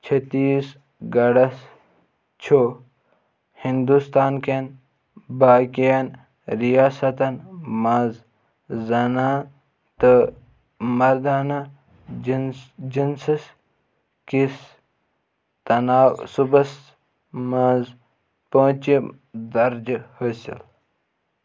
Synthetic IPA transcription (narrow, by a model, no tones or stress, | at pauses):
t͡ʃʰɐt̪iːs | ɡɐɽɐs | t͡ʃʰoː | hind̪ust̪aːnken | baːkijɐn | ɾijaːsɐt̪ɐnmãːz | zɐnaː | t̪ɨ | mɐɾd̪aːnɐ | d͡ʒinsis | kis | t̪ɐnaːwsubɐs | mãz | põːt͡ʃi | d̪ɐɾd͡ʒhɐsḭl